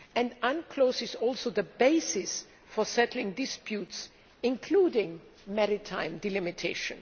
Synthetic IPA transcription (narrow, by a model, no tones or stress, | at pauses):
ɛ̃ndãnkʰl̥oʊsɪzɔlˠsoʊðəbeɪsɪs | fɔ˞sɛtl̩ɪ̃ŋdɪspjuts | ɪ̃nkʰludɪ̃ŋ | mɛɾɪtʰãɪ̃mdilɪmɪtʰeɪʃə̰̃n